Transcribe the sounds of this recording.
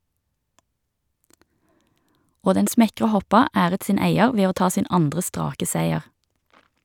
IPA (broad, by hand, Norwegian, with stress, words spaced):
ˈoː ˈdɛn ˈsmɛkʁə ˈhɔpɑ ˈæːʁət ˈsiːn ˈæɪəʁ ˈʋeː ˈoː ˈtɑː ˈsiːn ˈɑndʁə ˈstʁɑːkə ˈsæɪəʁ